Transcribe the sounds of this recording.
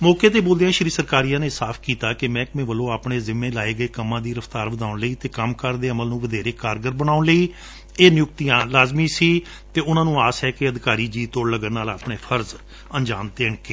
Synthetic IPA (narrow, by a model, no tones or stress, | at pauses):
mɔːkeːt̪eːboːld̪ejãːʃɾiːsəɾkaːɾijãːneːsaːpʰkiːt̪aːkɪmɛ̃ːkmẽːʋəlõːaːpɳeːzɪmːẽːlaːeːɡəeːkəmãːd̪iːɾəfʰt̪aːɾʋəd̪aːʊɳləiːt̪eːkəmkəɾd̪eːəməlnũːʋəd̪eːɾeːkaːɾɡəɾbəɽaːʊnləiː | eːnɪjʊk̚t̪ijãːlaːzmiːsiː | t̪eːʊnãːnũːaːsɛːkeəd̪ɪkaːɾiːd͡ʒiːt̪oːɽləɡənːaːlaːpɳeːpʰəɾz | ənd͡ʒaːmt̪eːɳkeː